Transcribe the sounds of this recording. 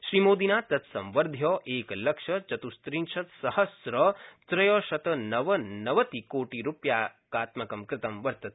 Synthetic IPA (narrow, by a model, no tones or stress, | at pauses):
ʃɾimoːd̪inaːt̪ɐt̪sɐ̃mʋɐɾd̪ʱjoːʔeːklɐkʂɐt͡ʃɐt̪ust̪ɾinʃʰɐt̪sɐhɐsɾɐt͡ʃɾɐjɔːʃɐt̪ɐnɐʋɐnɐʋɐt̪ikoːʈiɾupjaːkaːt̪mɐkɐmkɾɪt̪ɐmʋɐɾt̪ɐt̪̚